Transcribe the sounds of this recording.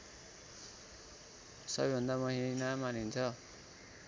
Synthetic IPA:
sʌbʌjbʱʌnd̪amʌɦinamanint͡sʰʌ

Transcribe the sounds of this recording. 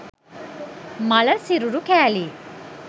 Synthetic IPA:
mɐlɐsiɾuɾukɛːli

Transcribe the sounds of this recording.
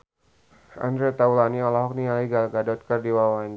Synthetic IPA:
a̰ndɾet̪aulaniɔlaɦɔk̚nialiɡalɡadɔt̪̚kərdiwawan

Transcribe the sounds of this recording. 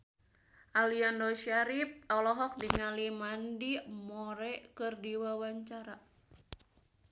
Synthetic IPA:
ʔaliandɔʃaɾip̚ɔlɔɦɔk̚diŋalimandimɔɾɛkɨrdiwawaɲt͡ʃaɾa

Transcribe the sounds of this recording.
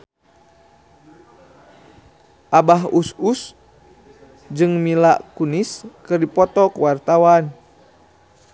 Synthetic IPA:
ʔabaɦusus | d͡ʒɨŋmilaʔkuniskɨrdipɔt̪ɔkuwart̪awan

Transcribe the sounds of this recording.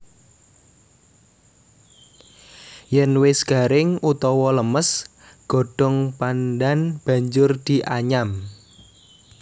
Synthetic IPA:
jɛnwɪsɡ̥a̤ɾɪŋut̪ɔwɔləməs | ɡ̥o̤ɖ̥ɔ̤ŋpandanb̥a̤ɲd͡ʒʊrd̪̥i̤ʔaɲam

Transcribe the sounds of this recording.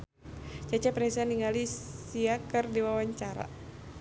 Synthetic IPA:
t͡ʃat͡ʃapɾɛsaniŋalisiakɨrdiwawaɲt͡ʃaɾa̰

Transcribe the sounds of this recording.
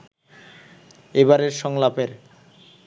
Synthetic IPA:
eβaɾeɾʃɔŋlapeɾ

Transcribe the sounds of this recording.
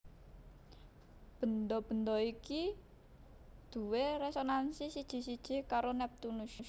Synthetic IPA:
b̥ə̤nd̪ɔb̥ə̤nd̪ɔiki | d̪̥ṳweɾɛsonansisid̥ʒ̥i̤sid̥ʒ̥i̤kaɾonɛp̚t̪unuʃu

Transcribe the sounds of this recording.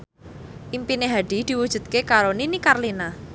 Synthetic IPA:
ʔimpineɦaɖ̥i̤d̪̥i̤wud̥d͡ʒʒ̥ṳd̪̚kekaɾoninikarlina

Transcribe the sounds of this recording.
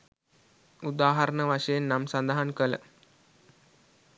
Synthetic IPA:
ud̪aːɦɐɾənəʋaʂəjenːamsand̪aɦankələ̰

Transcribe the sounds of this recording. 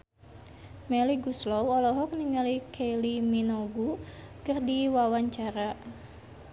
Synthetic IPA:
meliɡuslɔwɔlɔɦɔk̚niŋalikʰeliminoɡukərdiwawaɲt͡ʃaɾa

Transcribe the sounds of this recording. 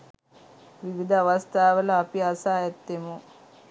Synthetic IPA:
ʋiʋid̪ɐːʋɐst̪ʰaːʋəlɐːpiasaːjɛt̪ːemu

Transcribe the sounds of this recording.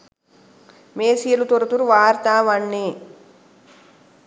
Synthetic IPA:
meːsijɐlut̪oɾɐt̪uɾuʋaːɾt̪aːʋɐɳːi

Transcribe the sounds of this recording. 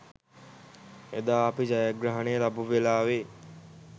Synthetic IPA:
ed̪aːpid͡ʒajəɡɾaɦənejəlabuʋelaːʋe

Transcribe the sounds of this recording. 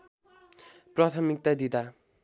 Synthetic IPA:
prʌt̪ʰʌmik̚t̪ad̪id̪a

